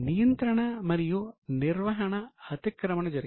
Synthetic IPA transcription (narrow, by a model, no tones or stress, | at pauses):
nijɐnt̪ɾɐɳɐmɐɾijuniɾʋɐɦɐɳɐɐt̪ikɾɐmɐɳɐd͡ʒɐɾ